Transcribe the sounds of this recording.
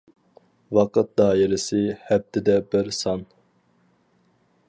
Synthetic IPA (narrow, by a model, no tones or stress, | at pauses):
wɑqət̪̚d̪ɑːɪɾɪsɪhɛb̚t̪ʰɪd̪ɛbɪɾsɑn